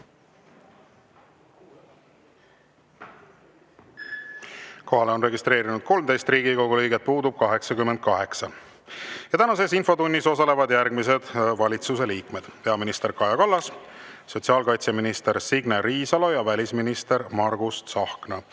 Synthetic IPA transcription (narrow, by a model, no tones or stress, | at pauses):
ko̞ɦɑleo̞nre̞ɡist̪ɾe̞ːɾinud̪̥̚ko̞lmd̪e̞jst̪riːɡiko̞ɡulɤjɡet̪̚puːd̪ub̥̚kɑɦe̞ksɑkymːend̪̥̚kɑɦe̞ksɑ | jɑt̪ænɑse̞sinfo̞t̪unʲːiso̞sɑle̞vɑd̪̥jærɡmis̬e̞d̪̥vɑlʲit̪sus̬e̞liːkme̞d̪̥pe̞ɑminist̪e̞rɾkɑjɑkɑlːɑsso̞t̪ʲsiɑːlkɑjt̪seminist̪e̞ɾsiɡneɾiːsɑlo̞jɑvælʲisminist̪e̞ɾmɑrɡust̪sɑhknɑ